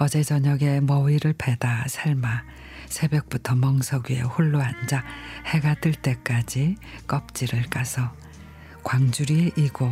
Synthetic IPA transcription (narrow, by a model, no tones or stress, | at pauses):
ʌd͡ʑe̞d͡ʑʌɲʌɡe̞mʌiɾɯɭpʰe̞dasʰaɭma | sʰe̞bjʌk̚p͈utʰʌmʌŋsʰʌɡiḛɸuɭːoɦand͡ʑahe̞ɡatɯɭt͈e̞k͈ad͡ʑik͈ʌp̚t͡ɕ͈iɾɯɭk͈asʰʌ | kwaŋd͡ʑuɾieʔiɡo